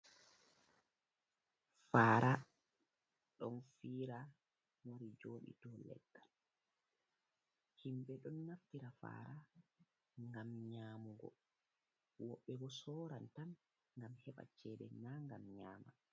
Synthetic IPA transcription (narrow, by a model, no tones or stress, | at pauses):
faːɾʔa | ɗɔnfiːɾa | woɾid͡ʒoːɗḭtɔlɛ̰tːan | himɓɛɗɔnːaftiɾafa̰ːɾa | ŋɡamɲaːmuɡɔ̰ | wɔɓːɛbɔsɔːɾantan | ŋɡamhɛɓa̰t͡ʃɛːɗɛnːaŋɡamɲaːma